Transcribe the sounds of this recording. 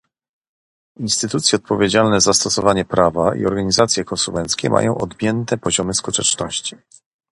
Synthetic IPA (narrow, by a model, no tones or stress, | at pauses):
inst̪ɘt̪ut̪sʲjɛɔt̪̚pɔvʲjed͡ʑalnɛzast̪ɔsɔvaɲɛpɾavaḭɔ̰ɾɡaɲizat̪sʲjɛkɔnsumɛnt̪skʲɛ̰mʔa̰jɔ̃w̃ʔɔd̪bʲjɛnt̪ɛpɔʑɔmɘskut̪ɛt͡ʂnɔɕt͡ɕi̥